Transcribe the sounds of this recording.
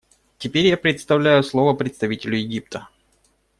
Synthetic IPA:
tʲɪpʲeɾʲjapɾʲɪt̪st̪ɐvlʲæjʊslˠovəpɾʲɪt̪st̪ɐvʲitʲɪlʲʊjɪɡʲip̚t̪ʰə

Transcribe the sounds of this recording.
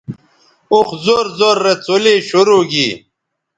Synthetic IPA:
uxzoɾzoɾːet͡soleːɕuɾuːɡi

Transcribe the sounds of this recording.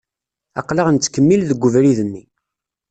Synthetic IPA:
ɑ̰qləʁənt͡sːkəmːilðəɡʷːəvɾiðənːi

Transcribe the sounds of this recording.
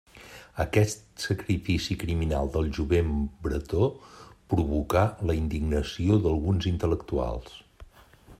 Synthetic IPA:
əkɛst̪səkɾifisikɾiminalˠd̪əlˠʒuβembɾə̰t̪opɾuβukaləind̪iɡnəsioðəlˠɣunzint̪ələkt̪ua̰lˠs

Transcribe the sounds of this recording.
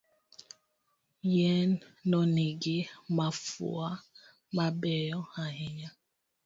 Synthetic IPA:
jɛnːɔniɡɪmafṵa | mabɛjɔaɦɪɲa

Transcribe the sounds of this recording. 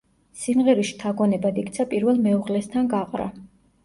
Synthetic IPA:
simʁɛɾiʃi̥t̪ʰaɡɔnɛbad̪ikʼt̪sʰapʼiɾvɛlˠmɛuʁlɛst̪ʰanɡaqʼɾa̰

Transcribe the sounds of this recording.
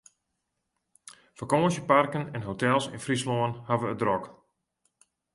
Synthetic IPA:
fəkoːʃəparkənɛnɦotɛlˠsɪ̰nfrisloənhaʋəədrɔk

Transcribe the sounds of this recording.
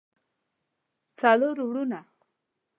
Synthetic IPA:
t͡saloɾwɽuna

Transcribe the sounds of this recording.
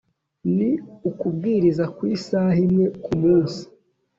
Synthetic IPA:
niukub̚ɡiːɾizakwiːsaɦimŋe̞kumuːnsi̥

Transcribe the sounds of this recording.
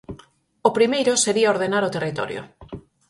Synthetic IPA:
opɾimejɾʊseɾiaoɾð̞enaɾot̪erit̪ɔ̰ɾjo̰

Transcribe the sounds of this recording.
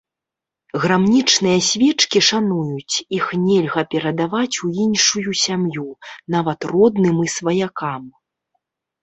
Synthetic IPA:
ɣɾamnʲit͡ʂnɨjɐsʲvʲɛt͡ʂkʲiʂanujut͡sʲixnʲɛlʲɣɐpʲɛɾɐd̪avat͡sʲuinʂujusʲamjunavɐt̪rɔd̪nɨmisvɐjakam

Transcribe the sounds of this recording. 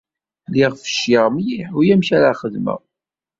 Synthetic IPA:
liʁfə̥ʃɪʁmjiħujæmçæɾaχəðmæ̰

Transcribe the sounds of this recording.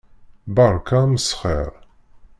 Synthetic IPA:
bɑɾˤkaməsχɛ̰ɾˤ

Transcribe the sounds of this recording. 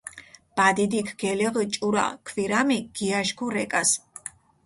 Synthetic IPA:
b̥ad̪id̪ikʰɡ̥ɛlɛʁit͡ʃʼuɾa̰kʰviɾamiɡ̥iaʃkʰuɾɛkʼas

